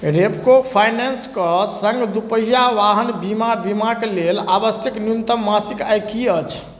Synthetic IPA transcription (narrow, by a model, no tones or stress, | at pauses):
ɾepkopʰajnenskəsə̃ŋɡd̪upəɦjaʋaɦənbimabimaklelabəsjəknjunt̪əmːasikajkiət͡ʃʰ